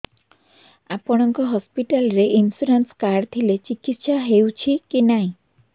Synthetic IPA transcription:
apɔɽ̃ɔŋkɔɦɔspiʈalɾeʔinsuɾanskaɾt̪ʰilet͡ʃikit̪ʃaɦewt͡ʃʰikinaɦĩ

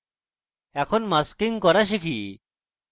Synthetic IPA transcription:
ɛkʰonmaskiŋkɔɾaʃ̬ikʰi

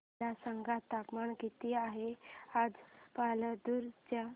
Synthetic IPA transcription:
asəŋɡʱat̪apmaɳɡʱit̪iaɦead͡zpaləd̪uɾt͡ɕja

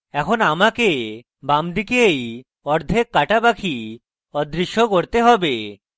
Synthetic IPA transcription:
ɛkʰonamake | bamd̪ikeej | ɔɾd̪ʱekːaʈabakʰi | ɔd̪ɾiʃːokoɾt̪eɦɔbe

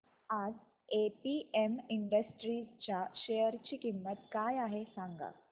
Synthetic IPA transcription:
ad͡z | epiemiɳɖəsʈɾit͡ɕjaɕejəɾt͡ɕiːkimːət̪kajaɦesaŋɡa̰

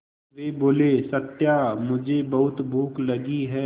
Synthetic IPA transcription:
ʋeːboːlesɐt̪jamʊd͡ʒʱebɐɦʊt̪bʱuːklɐɡiɦɛː

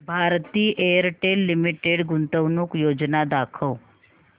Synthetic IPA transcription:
bʱaɾt̪iːʔejəɾʈelːimiʈeɽɡunt̪əwnuːkjod͡ʒnad̪akʰəw

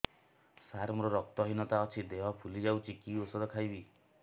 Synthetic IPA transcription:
saɾmɔɾɔɾɔk̚t̪ɔɦinɔt̪aɔt͡ʃʰid̪eɦɔpʰulid͡ʒawt͡ʃʰikiosɔd̪ɔkʰajbi

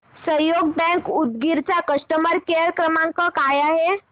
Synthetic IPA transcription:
səjoɡ̚bɛ̃ŋkud̪̚ɡiɾt͡ɕakəsʈəməɾkeəɾkɾəmãŋkəkajaɦe

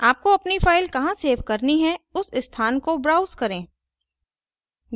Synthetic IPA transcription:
aːp̚koɐpnifaːɪlkɐɦãseːʋkɐɾniɦɛ̃ʊsɪst̪ʰaːnkobɾaːʊzkɐɾẽː

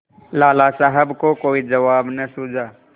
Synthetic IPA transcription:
laːlaːsaɦəbkokoːid͡ʒɐʋaːbnɐsuːd͡ʒʱaː

